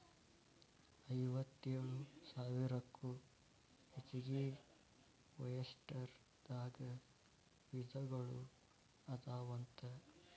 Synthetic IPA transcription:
ɐjʋɐt̪ːeːɐɭusaːʋiɾɐkːu | het͡ʃːiɡi | ʋɐjɐsʈɐɾ | d̪̥aːɡɐ | ʋid̪ʱɐɡɐɭu | ɐd̪aːʋɐnt̪ɐ

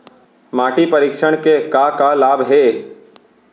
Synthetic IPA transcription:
maːʈipəɾikʃəɽ̃kekakalaːbɦeː

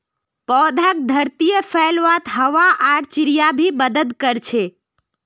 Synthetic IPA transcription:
pɔːd̪ʱak̚d̪ʱəɾt̪ijəpʰəlʋat̪ɦəʋaʔaɾt͡ʃɪɾijabʱiməd̪əd̪kəɾt͡ʃʰe

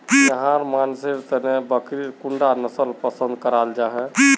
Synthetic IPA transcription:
jəɦãɾmansiɾt̪ənebəkɾiɾkuɳɖanəsəlpəsə̃nd̪kəɾald͡ʒaɦɛ

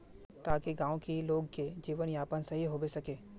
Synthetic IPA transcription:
t̪aːkiɡãːõkiloːɡked͡ʒiːʋənjaːpənsɐɦiɦoːbesɐkeː

